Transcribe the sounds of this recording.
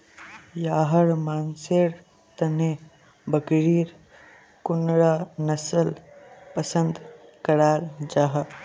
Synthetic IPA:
jaːɦəɾmaːnseːɾ | t̪ɐne | bəkɾiːɾ | kʊnɾaːnɐsəlpəsə̃nd̪kɐɾaːɾd͡ʒaːɦə

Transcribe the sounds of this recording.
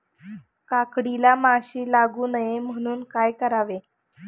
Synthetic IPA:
kakɽilamaɕiːlaɡuːnəjem̤əɽ̃uːnkajkəɾaʋe

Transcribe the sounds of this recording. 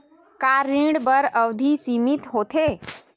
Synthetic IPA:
kaːɾĩɖbəɾəʋd̪ʱisimit̪ɦoːt̪ʰeː

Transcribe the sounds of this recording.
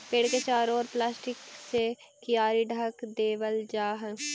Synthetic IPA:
peːɽket͡ʃaːɾɔːɾplaːsʈɪksekɪjaːɾiɖʱəkd̪eːʋəld͡ʒaːɦɛ̃

